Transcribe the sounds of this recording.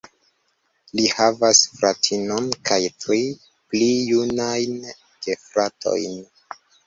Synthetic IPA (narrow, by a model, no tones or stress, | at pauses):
lihavasfɾatʰino̞nkajtɾi | plijunajn | ɡ̥efɾatʰo̞̰jn